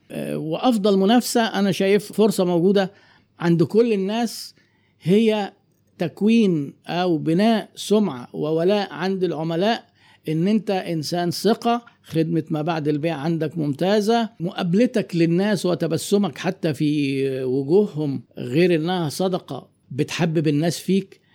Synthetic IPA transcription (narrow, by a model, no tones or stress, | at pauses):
weʔɑfd̪ˤɑlmʊnæfsæʔænæʃæːjeffoɾsˤɑmowɡuːd̪æ | ʕand̪kolːenːæːs | hejːæ | t̪ækwiːnʔæwbɪnæːʔsomʕa̰wewælæːʔʕand̪elʕomælæːʔ | ʔenːʔent̪æʔɪnsæːnseqɑ | xed̪met̪mæbaʕd̪elbeːʕʕand̪ækmomt̪æːzæmʊʔæblet̪æklenːæːswɪt̪æbæsːomækħat̪ːæfiːwʊɡuːhhomɣeːɾʔenːæhæsˤɑd̪ɑqɑ̰ | bet̪ħabːebɪnːæːsfiːk